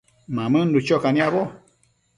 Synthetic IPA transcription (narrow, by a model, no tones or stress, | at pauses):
mãmɨ̃n̩dut͡ʃokanĩabo